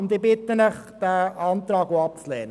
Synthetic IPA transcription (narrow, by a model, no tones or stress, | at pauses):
ʊnd̪ɪbɪt̪ːənəχd̥æːɑnt̪ɾɑːɡoɑp̚t͡slɛːn